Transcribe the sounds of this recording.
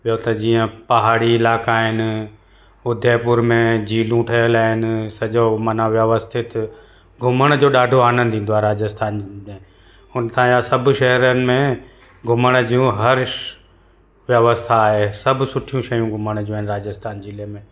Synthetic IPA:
ɓijot̪ɐd͡ʑiːə̃pɐɦaːɽiɪlaːkaɦɪnɪ̆ | ʊd̪ʱepʊɾmẽd͡ʑiːlũʈʰɐjəlaːɦɪnɪ̆sɐʄomɐnaʋjəʋəst̪ʰɪt̪ | ɡʱʊməɽ̃d͡ʑoːɗaːɖʱoaːnə̃nd̪ʱĩːn̆d̪oaɦeɾaːd͡ʑəst̪ʰaːnmẽ | ʊnt̪aãd͡ʑasɐbʱʃɐɦɾənɪ̆mẽ | ɡʱʊməɽ̃d͡ʑijũɦɐɾ | ʋjɐʋəst̪ʰaːɦesɐbʱʊsʊʈʰijũʃɐjũɡʱʊməɽ̃d͡ʑiũaːɦɪ̃nɪɾaːd͡ʑəst̪ʰaːnd͡ʑiːlemẽ

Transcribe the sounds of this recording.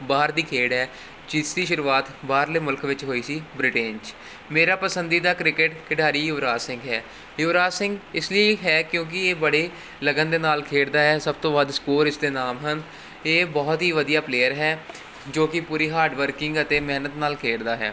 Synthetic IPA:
baːəɾd̪iːkʰeːɽɦɛː | t͡ʃiːsd̪iːʃʊɾuːaːt̪baːɾleːmʊlkʋɪt͡ʃɦoːiːsiːbɾɪʈẽːnt͡ʃ | meːɾaːpəsənd̪iːd̪aːkɾɪkɪʈkɪɖaːɾiːjʊʋɾaːsɪ̃ŋɡɦɛː | jʊʋɾaːsɪ̃ŋɡɪsliiːɦɛːkjõːk̬ɪeːbəɽeː | ləɡənd̪eːnaːlkʰeːɽd̪aːɦɛːsəb̚t̪õːbaːd̪skoːɾɪsd̪eːnaːmɦən | eːbɔːt̪ɦiːʋəd̪ijaːpleːəɾɦɛː | d͡ʒoːkɪpuːɾiːɦaːɾɖʋəɾkɪ̃ŋɡət̪eːmɛːnət̪naːlkʰeːɽd̪aːɦɛ̰ː

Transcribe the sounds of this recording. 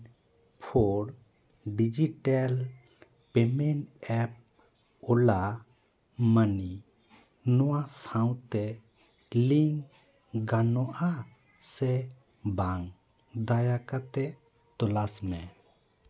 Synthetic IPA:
pʰoɽ | ɖid͡ʒiʈal | pɛmɛɳʈɛp̚ | ɔla | mani | nɔwasãw̃t̪ɛ | liŋ | ɡanɔʔa | sɛ | baŋ | d̪ajakat̪ɛ | t̪ɔlasmɛ

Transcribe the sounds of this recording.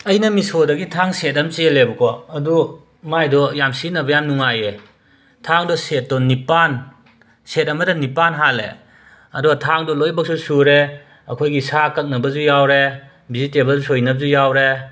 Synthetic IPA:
ɐjnɐmisodɐɡitʰaŋset̬̚amt͡ʃielebɐkʰɔɐdu | majdɔjamsinɐbɐjamnuŋaje | tʰaŋdɔset̚dɔnipan | set̚ɐmɐdanipanɦalḛ | ɐdɔtʰaŋdɔlojbak̚susuɾe | ɐkʰojɡisakɐt̚nɐbɐzujawɾe | bizitebɐzusojnɐb̚zujawɾe

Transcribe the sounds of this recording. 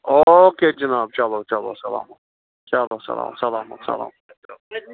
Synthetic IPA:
oked͡ʒɐnaːb̚t͡ʃalot͡ʃalo̰sɐla̰ːmɐt̪̚ | t͡ʃalosɐ̰la̰ːmsɐlaːmɐ̰t̪sɐ̰la̰ːm | t͡ʃalo

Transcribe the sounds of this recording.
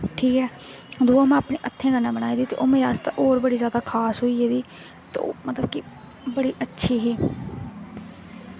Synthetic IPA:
ʈʰiːkɛːd̪uːaːmãːapɳeːʔət̪ʰːẽːɡənãːbəɽaːiːd̪iːt̪ḛːʔoːmeːɾast̪ã̰ːʔoːɾbəɽiːzjaːd̪aːkʰaːsɦoːiːeːd̪iː | t̪ːo̰ːmət̪ləbki | bəɽiːʔətːʃʰiːɦiː

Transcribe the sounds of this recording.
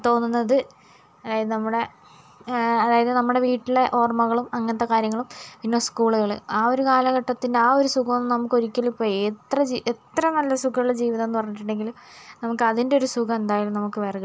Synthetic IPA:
t̪o̞ːnːunːɐðɨ | ɐðaːjɐðɨnɐmːuɽe̞ | ɐðaːjɐðɨnɐmːuɽe̞ʋiːʈːileʔo̞ːrmɐɣɐɭumɐŋːɐnɐt̪ːekaːɾjɐŋːɐɭumpinːo̞ːskuːɭuɣɐɭɨ̰aːo̞ɾukaːlɐɣɐʈːɐt̪ːindeaːo̞ɾusuɣɐonːnɐmukːo̞ɾikʲːɐlipːoːɭet̪rɐd͡ʑiʔet̪rɐnɐlːɐsukɐiɭed͡ʑiːʋiðɐmenːɨpɐrɐɲːiʈ̬ːiɳɖe̞ŋɡilumnɐmukːɨɐðindeo̞ɾusuɡɐme̞nd̪aːjalumnɐmukːɨʋeːrɣ

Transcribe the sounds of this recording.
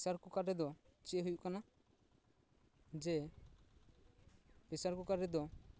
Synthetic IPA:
saɾkukaɾɛd̪ɔt͡ʃiɦujuʔkana | d͡ʒɛ | pisaɾkukaɾɛd̪ɔ

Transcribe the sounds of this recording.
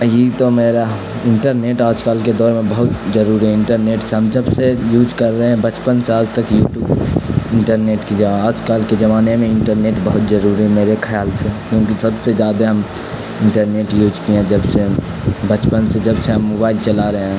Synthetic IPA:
jit̪omeːɾa | ɪ̃ɳʈəɾneːʈaːd͡ʒkaːlked̪ɔːɾmẽbɐɦʊt̪zəɾuːɾiɦɛɪ̃ɳʈəɾneːʈseɦɐmd͡ʒɐbsejuːd͡ʒkɐɾːəɦeɛ̃bɐt͡ʃpənseaːd͡ʒt̪əkjuːʈjuːbɪ̃ɳʈəɾneːʈkid͡ʒaaːd͡ʒkaːlked͡ʒɐmaːnemẽɪ̃ɳʈəɾneːʈbɐɦʊt̪zəɾuːɾiɦɛmeːɾekʰəjaːlsekjõːkisɐbsed͡ʒjaːd̪aɦɐm | ɪ̃ɳʈəɾneːʈjuːd͡ʒkiɛ̃d͡ʒɐbse | bɐt͡ʃpənsed͡ʒɐbseɦɐmːoːbaːɪlt͡ʃɐlaɾəɦeɦɛ̃

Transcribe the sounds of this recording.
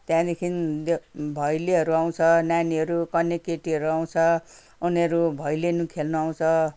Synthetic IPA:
t̪jãd̪ekʰindbʱʌjleɦʌɾuaw̃t͡sʰʌnaniʌɾukʌnːekːeʈiɦʌɾuaw̃t͡sʰʌ | uniʌɾubʱʌjlenukʰelnuaw̃t͡sʰʌ

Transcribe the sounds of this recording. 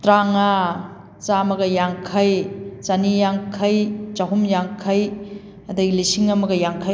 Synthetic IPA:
tɾaŋɐ | t͡ʃamɐɡɐjaŋkʰɐjt͡ʃɐnijaŋkʰɐjt͡ʃɐɦumjaŋkʰɐj | ɐdɐɡilisiŋɐmɐɡɐjaŋkʰa

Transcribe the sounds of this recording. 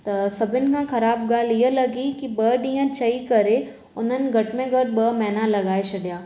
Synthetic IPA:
t̪ɐsɐbʱɪnkãxɐɾaːbɡaːlijelɐɡikibəːɖiə̃t͡ʃɐikɐɾe | ʊnənɡʱɐʈʰmẽɡɐʈbɐːmɛːnalɐɡaːet͡ʃʰɐɖjaː

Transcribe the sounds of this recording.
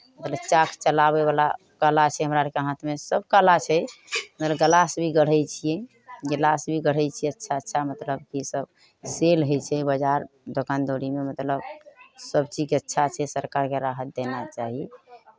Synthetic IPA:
mət̪ləbt͡ʃakʰt͡ʃəlabebala | kalat͡ʃʰɛɦəmɾaɾkeɦãt̪ʰmesəbkalat͡ʃʰɛmət̪ləbɡəlasbʱiɡəɽ̤ɛjt͡ʃʰijɛ | ɡəlasbʱiɡəɽ̤ɛjt͡ʃʰijɛətːʃʰatːʃʰamət̪ləb̚kisəb | selɦot͡ʃʰɛbəd͡ʒaɾ | d̪okand̪oɽimemət̪ləbsəbt͡ʃid͡ʒkeətːʃʰat͡ʃʰɛsəɾkaɾkeɾaɦət̪̚d̪enat͡ʃaɦi

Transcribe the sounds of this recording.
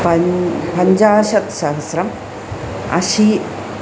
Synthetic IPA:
pɐpɐɲd͡ʑaːʃɐt̪ʃɐɦɐsɾɐm | ɐ̰ʃi

